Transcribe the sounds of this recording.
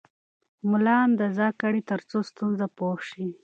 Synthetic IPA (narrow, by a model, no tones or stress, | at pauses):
mʊlɑnd̪əzɑkaɽit̪əɾt͡sost̪unzapoʂi